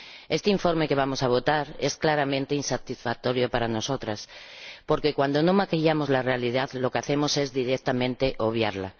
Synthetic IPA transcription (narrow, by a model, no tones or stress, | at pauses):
e̞st̪eiɱfo̞ɾme̞ke̞β̞amo̞saβ̞o̞t̪aɾe̞sklaɾamẽnt̪einsat̪isfak̚t̪o̞ɾjo̞paɾano̞so̞t̪ɾaspo̞ɾkekwand̪o̞nomakeʎamozlarealiðaðlo̞keaθe̞mo̞se̞zðiɾek̚t̪amẽ̞nt̪e̞ʔo̞β̞jaɾla